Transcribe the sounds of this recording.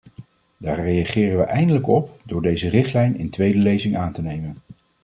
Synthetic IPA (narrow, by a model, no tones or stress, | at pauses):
d̥aːɹrejaχɪːrənʋəʔɛjndələkɔpdʊːɹdejzərɪχtlɛjnɪ̰ntʋejdəlejzɪŋʔaːntənejmən